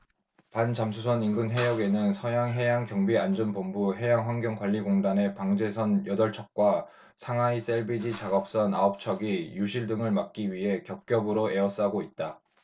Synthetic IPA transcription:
pant͡ɕamsʰusʰʌninɡɯnɦe̞jʌɡe̞nɯnsʰʌjaŋɦe̞jaŋkjʌŋbiand͡ʑʌnpombuɦe̞jaŋɸwanɡjʌŋkwaʎːiɡoŋdane̞paŋd͡ʑe̞sʰʌnjʌdʌɭt͡ɕʰʌk̚k͈wa | sʰaŋais͈eɭbid͡ʑit͡ɕaɡʌp̚s͈ʌnaʌp̚t͡ɕʰʌɡijuɕʰiɭdɯŋɯɭmak̚k͈iɥiɦe̞kjʌk̚k͈jʌbɯɾoe̞ʌs͈aɡoit̚t͈a

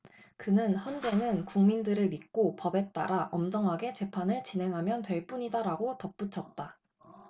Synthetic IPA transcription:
kɯnɯnçjʌnd͡ʑe̞nɯnkuŋmindɯɾɯɭmit̚k͈opʌbe̞t͈a̰ɾaʔʌmd͡ʑʌŋɦaɡe̞t͡ɕe̞pʰanɯɭt͡ɕinɦe̞ŋɦamjʌntwe̞ɭp͈uɲidaɾaɡotʌp̚p͈ut͡ɕʰʌt̚t͈a

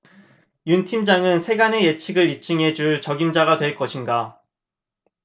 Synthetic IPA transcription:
juntʰimd͡ʑaŋɯnsʰe̞ɡane̞je̞t͡ɕʰiɡɯɭit͡ɕ͈iŋɦe̞d͡ʑuɭt͡ɕʌɡimd͡ʑaɡadwe̞ɭk͈ʌɕʰinɡa

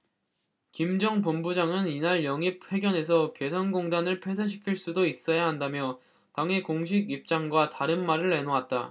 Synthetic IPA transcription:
kimd͡ʑʌŋpombud͡ʑaŋɯninaɭjʌŋip̚we̞ɡjʌne̞sʰʌke̞sʰʌnɡoŋdanɯɭpʰesʰaɕ̬ʰi̥kʰiɭs͈udois͈ʌjaɦandamjʌ | taŋɦekoŋɕ̬ʰiɡip̚t͡ɕ͈aŋɡwataɾɯnmaɾɯɭːe̞noat̚t͈a

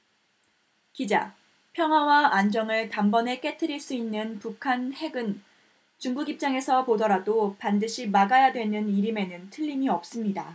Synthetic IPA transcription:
kid͡ʑa̰ | pʰjʌŋɦwawaand͡ʑʌŋɯɭtambʌne̞k͈e̞tʰɯɾiɭs͈uinːɯnpukʰanhe̞ɡɯn | t͡ɕuŋɡuɡip̚t͡ɕ͈aŋe̞sʰʌpodʌɾadopandɯɕʰimaɡajadwe̞nɯniɾime̞nɯntʰɯʎːimiʌp̚s͈ɯmɲida

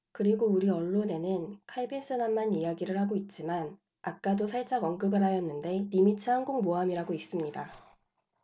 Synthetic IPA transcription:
kɯɾiɡouɾiʌɭːone̞nɯnkʰaibʰens͈ɯnamːaɲijaɡiɾɯɭhaɡoit̚t͡ɕ͈iman | ak̚k͈adosʰaɭt͡ɕ͈aɡʌŋɡɯbɯɾɦajʌnːɯnde̞nimit͡ɕʰɯɦaŋɡoŋmoamiɾaɡois͈ɯmɲida

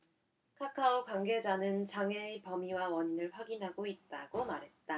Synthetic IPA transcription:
kʰakʰaokwaŋɡe̞d͡ʑanɯnt͡ɕaŋeipʌmiwawʌɲinɯɭɸwaɡinɦaɡoit̚t͈aɡomaɾɦe̞t̚t͈a

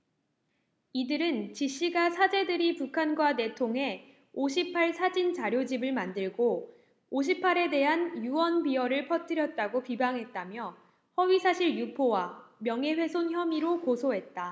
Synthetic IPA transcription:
idɯɾɯnt͡ɕiɕ͈iɡasʰad͡ʑe̞dɯɾipukʰanɡwane̞tʰoŋɦe̞ | oɕʰipʰaɭsʰad͡ʑint͡ɕaɾjod͡ʑibɯɭmandɯɭɡo | oɕ̬ʰipʰaɾe̞de̞ɦanjuwʌnbiʌɾɯɭpʰʌtʰɯɾjʌt̚t͈aɡopibaŋɦe̞t̚t͈amjʌ | hʌɥisʰaɕʰiɭjupʰowamjʌŋe̞ɸwe̞sʰonçjʌmiɾokosʰoɦe̞t̚t͈a

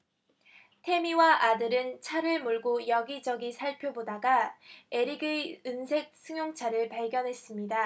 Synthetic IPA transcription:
tʰe̞miwaʔadɯɾɯnt͡ɕʰaɾɯɭmoɭɡojʌɡid͡ʑʌɡisʰaɭpʰjobodaɡae̞ɾiɡɯɯnsʰe̞k̚sʰɯŋjoŋt͡ɕʰaɾɯɭpaɭɡjʌnɦe̞s͈ɯmɲida

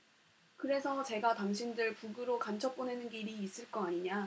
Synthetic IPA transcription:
kɯɾe̞sʰʌt͡ɕe̞ɡataŋɕʰindɯɭpuɡɯɾokant͡ɕʰʌp͈̚one̞nɯnɡiɾiːs͈ɯɭk͈ʌaɲiɲa

